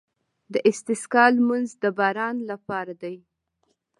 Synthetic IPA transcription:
d̪əʔɪst̪ɪskɑlmanzd̪əbɑɾɑnlapɑɾad̪aj

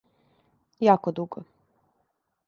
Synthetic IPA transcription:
jakod̪uɡɔ

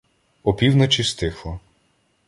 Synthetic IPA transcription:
ɔpʲiwnɔt͡ʃist̪ɪxlˠɔ

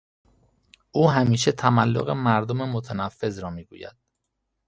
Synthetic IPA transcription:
ʔuːɦæmiːʃet̪ʰæmælːo̰ɣemæɾd̪ome̞mot̪ʰænæfːe̞zɾɒːmiːɡṵːjæ̰d̪̥

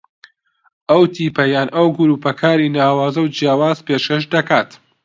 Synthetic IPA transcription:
ʔɐwt̪ʰiːpɐjaːnʔɐwɡʊɾuːpɐkʰaːɾiːnaːwaːzɐwd͡ʒjaːwaːzpeːʃkɐʃ̬d̪ɐkaːt̪

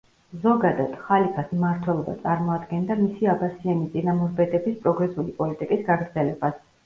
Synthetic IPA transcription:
zɔɡad̪ad̪̥χalipʰasmaɾt̪ʰwɛlˠɔba̰t̪sʼaɾmɔad̪ɡɛnd̪amisiabasiɛnit̪sʼinamɔɾbɛd̪ɛbispʼɾɔɡɾɛsulipʼɔlit̪ʼikʼisɡaɡɾd̪zɛlɛbas

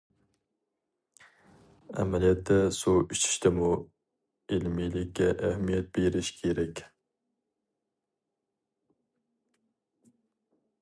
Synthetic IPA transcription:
æ̰mælijɛt̪ʰːɛsuiʃt͡ʃ̪ʰi̥ʃt̪ɪmu | ilmilɪkʲːɛʔæhmijɛt̪̚beɾɪʃkʲʰeɾɛkʲ

